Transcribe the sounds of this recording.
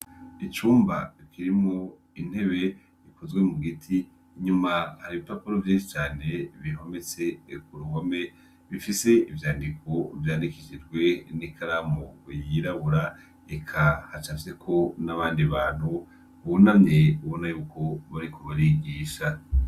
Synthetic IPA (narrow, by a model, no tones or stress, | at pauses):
it͡ʃuːmba̰kʰiɾimŋo̞ | in̥he̞βe̞ | ikʰozɡwe̞muɡitʰi | ɲumahaɾiβipapoɾovjiːnʃit͡ʃaːne̞βiɦo̞me̞t͡se̞kuɾuhome̞ | βifise̞ivjaːndikʰo̞vjaːndikit͡ʃid͡ʒɡwe̞nikʰaɾamojiɾaβuɾa | ekʰahat͡ʃasekʰo̞naβaːndiβaːn̥hu | uβonamɲeuβo̞najuːkʰo̞βaɾikʰoβaɾiɡiːʃa